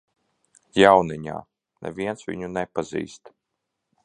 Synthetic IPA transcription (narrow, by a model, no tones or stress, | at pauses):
jawniɲʲa̰ː | nɛ̰vʲiɛnsvʲḭɲunɛpazḭːst̪